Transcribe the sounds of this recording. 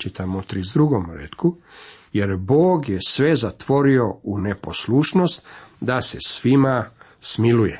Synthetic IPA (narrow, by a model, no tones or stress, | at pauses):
t͡ʃit̪ʰamot̪ɾizd̪ɾuɡomɾḛt̪kujeɾboːɡje̞sʋe̞zat̪ʋo̞ɾio̞unepo̞sluʃno̞st̪d̪ase̞̰sʋima | smiluje